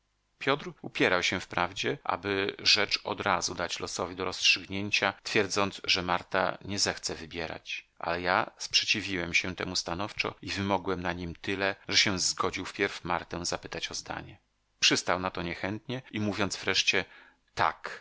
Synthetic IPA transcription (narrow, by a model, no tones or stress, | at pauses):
pʲjɔt̪ɾupʲjɛɾawɕɛfpɾavd͡ʑɛʔa̰bɘʐɛt͡ʂɔd̪ɾazud̪at͡ɕlɔsɔvʲid̪ɔɾɔstʂɘɡɲeɲt͡ɕat̪fʲjɛɾd̪zɔnd̪sʐɛmaɾt̪a̰ɲɛzɛxt̪sɛvɘbʲjɛɾa̰t͡ɕʔa̰lɛjaspʂɛt͡ɕivʲiwɛmɕɛt̪ɛ̰must̪anɔft͡ʂɔ̰ivɘmɔɡwɛmnaɲimt̪ɘlɛʐɛɕɛzɡɔd͡ʑiwfpʲjɛɾfma̰ɾt̪ɛw̃zapɘt̪at͡ɕɔzd̪a̰ɲɛ | pʂɘst̪awnat̪ɔɲɛxɛnt̪ɲɛimuvʲjɔnd̪zvɾɛʂt͡ɕɛ | t̪a̰k